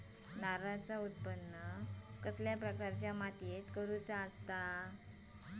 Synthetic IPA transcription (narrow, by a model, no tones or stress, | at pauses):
naɾat͡saut̪̚pənːəkəsljapɾəkaɾt͡ɕjamat̪jet̪kəɾut͡saəst̪a